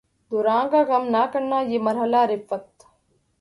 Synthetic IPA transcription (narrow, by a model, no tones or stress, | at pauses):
d̪uɾaːŋɡaɡɐmnaːkɐɾnaːjimɐɾɦɐlaːɾɪpːɐt̪